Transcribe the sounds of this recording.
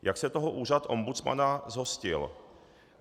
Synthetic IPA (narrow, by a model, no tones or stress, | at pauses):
jaksɛt̪oɦoʔuːrat̪ʔo̞mbut͡sma̰nazɦo̞scɪ̰l